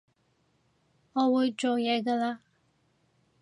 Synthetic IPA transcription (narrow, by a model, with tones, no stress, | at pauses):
ŋɔː˨˧wuː˨˧jt͡ʃo˨wjɛː˨˧˥ɡaː˧laː˧